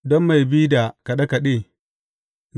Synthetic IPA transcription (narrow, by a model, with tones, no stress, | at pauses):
dɔ˦mːa˨jbi˦da˨ka˨ɗɐ˦ka˨ɗeː˦˨ | n